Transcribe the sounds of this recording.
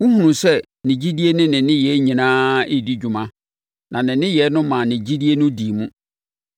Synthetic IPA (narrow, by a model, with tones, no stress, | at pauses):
wu˦hũ˨nũ˨sɛ˦ | nɪ̃˨d͡ʑi˦di˦e˦nɪ̃˦nɪ̃˨nɪ̃˦jɛ˨˦ɲĩ˨nãː˦e˦˨di˦d͡ʑᶣu˨mã˦ | nʔã˨nɪ̃˨nɪ̃˦jɛ˨˦nʊ̃˦mã˨nɪ̃˨d͡ʑi˦di˦e˦nʊ̃˦di˨mũ˦